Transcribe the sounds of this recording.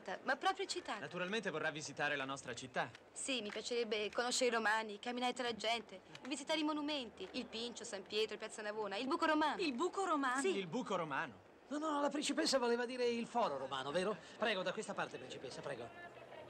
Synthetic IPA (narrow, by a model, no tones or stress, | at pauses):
t̪amapːɾɔpɾjit͡ʃit̪ːanat̪uɾalment̪evorːavːizit̪aːɾelanɔst̪ɾat͡ʃit̪ːa | simipjat͡ʃeɾɛbːekonoʃːeɾeiɾomaːnikamːinaːɾet̪alad͡ʒɛnt̪evizit̪aːɾeimonument̪iilpint͡ʃosampjɛːt̪ɾopjat̪sːanavoːnailbuːkoɾomaːnilbuːkoɾomaːsiilbuːkoɾomaːno | nɔnɔlapɾint͡ʃipesːavoleːvad̪iːɾeilfɔːɾoɾoma̰ːnoveːɾo | pɾɛːɡod̪akwest̪apaɾt̪epɾint͡ʃipesːapɾɛːɡo